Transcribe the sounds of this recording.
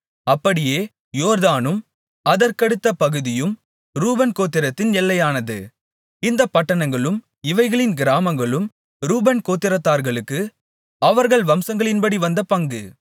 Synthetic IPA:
ɐpːɐɽɪjeː | joːɾðaːnɯm | ɐðɐɾkɐɽɯt̪ːɐpɐɣɯðɪjɯm | ɾuːbɐnkoːt̪ːɪɾɐt̪ːɪnɛlːɐjaːnɐðɯ̰ | ɪnd̪ɐpɐʈːɐɳɐŋɡɐɭɯm | ɪʋɐɪɣɐɭɪnɡɪɾaːmɐŋɡɐɭɯm | ɾuːbɐnkoːt̪ːɪɾɐt̪ːaːɾɣɐɭɯkːɯ | ɐʋɐɾɣɐɭʋɐmsɐŋɡɐɭɪnbɐɽiʋɐnd̪ɐpɐŋɡɯ

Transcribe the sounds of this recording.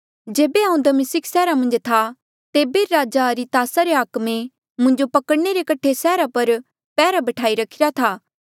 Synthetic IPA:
d͡ʒeːbeãːʊ̃ũnd̪amɪsɪksɛːɾamɐ̃nd͡ʒt̪ʰa | t̪eːbeɾaːd͡ʒaɾit̪aːsaɾeaːkmẽ | mʊ̃ɲd͡ʒopɐkəɽneɾekɐʈʰesɛːɾapɐɾ | pɛːɾabɐʈʰaːiɾɐkʰɪɾat̪ʰaː

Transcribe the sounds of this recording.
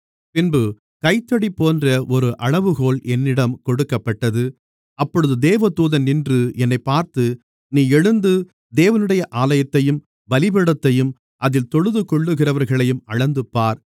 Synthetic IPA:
pɪnbɯ | kɐɪt̪ːɐɽipːoːndrɐʔɔɾɯʔɐɭɐʋɯɣoːɭʔɛnːɪɽɐmkɔɽɯkːɐpːɐʈːɐðɯ | ʔɐpːɔɻɯðɯd̪eːʋɐt̪uːðɐnnɪndrɯɛnːɐɪpːaːɾt̪ɯ | niːɛɻɯnd̪ɯ | d̪eːʋɐnɯɽɐjɐʔaːlɐjɐt̪ːɐjɯm | ʋɐlɪbɛɽɐt̪ːɐjɯm | ʔɐðɪlt̪ɔɻɯðɯkɔɭːɯɣɪrɐʋɐɾɣɐɭɐjɯmɐɻɐnd̪ɯpːaːɾ

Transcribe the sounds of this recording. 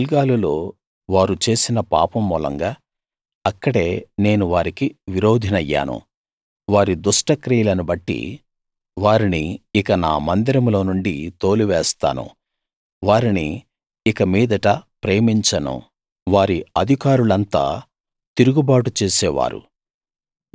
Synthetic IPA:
lɡaːlulo̞ː | ʋaːɾut͡ʃe̞ːsinɐpa̰ːpɐmːuːlɐ̰ŋɡaː | ɐkːɐɽe̞ːne̞ːnuʋaːɾikiʋiɾo̞ːd̪ʱinɐjːa̰ːnṵ | ʋaːɾid̪uʂʈɐkɾiːlɐnubɐʈːḭ | ʋaːɾiniːkɐna̰ːmɐnd̪iɾɐmlo̞ːnuɳɖit̪o̞ːliʋɛːst̪a̰ːnṵ | ʋaːɾiniː | kɐmiːd̪ɐʈɐpɾeːmiɲt͡ʃɐnṵ | ʋaːɾiɐd̪ʱikaːɾulɐnt̪a̰ː | t̪iɾuɡubaːʈut͡ʃeːsɛːʋa̰ːɾṵ

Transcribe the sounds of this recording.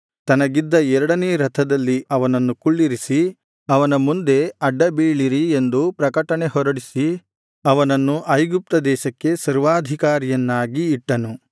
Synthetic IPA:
t̪ɐnɐɡid̪ːɐɛɾɐɽɐneːɾɐt̪ʰɐd̪ɐlːiɐʋɐnɐnːukuɭːiɾisi | ɐʋɐnɐmund̪e̞ɐɖːɐbiːɭiɾie̞nd̪upɾɐkɐʈɐne̞hɔɾɐɽisi | ɐʋɐnɐnːuʔɐjɡup̚t̪ɐd̪ɛːʃɐkːe̞sɐɾʋaːd̪ʱikaːɾijɐnːaːɡiːʈːɐnu

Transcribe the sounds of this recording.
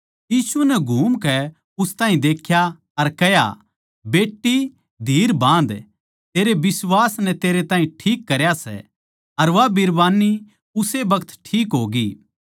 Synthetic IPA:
jiːsunɛɡʱuːmkɛ | ʊst̪ãːɦĩd̪eːkʰja | ɐɾkɛja̰ | beːʈːi | d̪ʱiːɾbãːnd̪ | t̪eːɾebɪswaːsnɛt̪eːɾet̪ãːɦĩʈʰiːkːɐɾjasɛ̰ | ɐɾʋabɪɾbaːnːi | ʊsebɐkət̪ʈʰiːkɦoːɡi

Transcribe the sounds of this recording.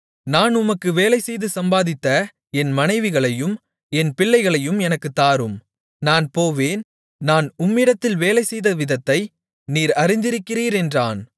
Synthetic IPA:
naːnʊmɐkːɯʋeːlɐɪsɛjðɯsɐmbaːðɪt̪ːɐ | ɛnmɐnɐɪʋɪɣɐɭɐjɯm | ɛnpɪɭːɐɪɣɐɭɐjɯmɛnɐkːɯt̪ːaːɾɯm | naːnpoːʋeːn | naːnʊmːɪɽɐt̪ːɪlʋeːlɐɪsɛjðɐʋɪðɐt̪ːɐɪ | niːɾɐɾɪnd̪ɪɾɯkːɪriːɾɛndraːn

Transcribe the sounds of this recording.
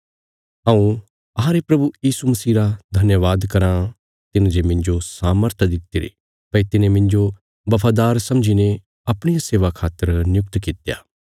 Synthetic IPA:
ãũ | ɐɦãɾepɾɐbujiːsumɐsiːɾad̪ʱɐnjəʋaːd̪kɐɾã | t̪ɪnd͡ʒemɪ̃ɲd͡ʒosaːməɾt̪ʰd̪ɪt̪ːiɾḭ | pɐit̪ɪnẽmɪ̃ɲd͡ʒo | bɐpʰaːd̪aːɾsɐ̃md͡ʒine | ɐpɽ̃ɪjaseːʋakʰaːt̪ːəɾnjʊk̚t̪kɪt̪ja̰ː

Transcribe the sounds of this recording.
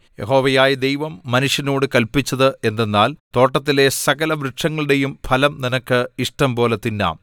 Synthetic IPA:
je̞̰ho̞ːʋɐjaːjɐd̪ejʋɐmːɐnuʂjɐnoːɽɨkɐlpit͡ɕːɐðɨe̞nd̪e̞nːaːlt̪o̞ːʈːɐt̪ːile̞sɐɣɐlɐʋɾɨʈʂɐŋːɐɭɨɽe̞jumpʰɐlɐmninɐkːɨiʂʈɐmpo̞ːlet̪ːinːa̰ːm

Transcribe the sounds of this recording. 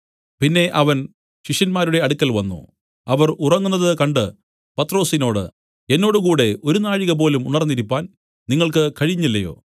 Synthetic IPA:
pinːe̞ʔɐʋɐn | ɕiʂjɐnmaːɾuɽe̞ɐɽukʲːɐlʋɐnːṵ | ɐʋɐrurɐŋːunːɐðɨkɐɳɖɨ | pɐt̪ːro̞ːsino̞ːɽɨ̰ | enːo̞ːɽɨkuːɽe̞ʔo̞ɾunaːɻiɣɐp̬o̞ːlumunɐrnːiɾipːaːn | niŋːɐɭkɨkɐɻiɲːilːɐjo̞̰ː

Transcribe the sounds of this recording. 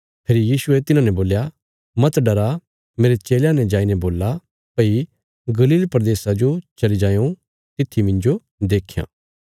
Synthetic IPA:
pʰeːɾijiːsʊet̪ɪnãːnɛ̃boːlja | mɐt̪ɖɐɾa | meːɾet͡ʃeːljãnɛ̃d͡ʒaːinɛboːlːa | pɐi | ɡɐliːlpɾd̪eːsad͡ʒot͡ʃɐlid͡ʒãːjõ | t̪ɪt̪ʰːimɪ̃nd͡ʒo | d̪eːkʰːjã̰ː

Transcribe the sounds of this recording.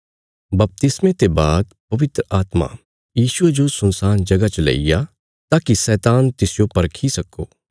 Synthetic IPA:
bɐp̚t̪ɪsmẽt̪ebaːd̪̚pɐʋɪt̪ɾəaːt̪ma̰ | jiːʃʊed͡ʒosʊnsaːnd͡ʒɐɡat͡ʃəlḛija | t̪aːkisɛːt̪aːnt̪ɪsjopɐɾkʰisɐkːo̰ː

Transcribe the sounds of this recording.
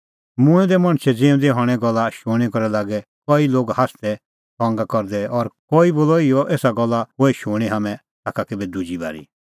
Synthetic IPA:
mʊ̃ɛ̃d̪ɛmɐ̃ɽ̃t͡ʃʰɛd͡zẽːũd̪ɛɦɔ̃ːɽ̃ɛ̃ɡɔlːaʃʊːɽ̃ikɔɾɛlaːɡɛkɔiloːɡhast̪ɛ | pɔ̃ːŋɡakɔɾd̪ɛɔɾkɔiboːlɔiɔʔeːsaɡɔlːaɦoɛʃʊːɽ̃iɦamɛ̃ | t̪aːkakebid̪ud͡ʒiba̰ːɾḭ

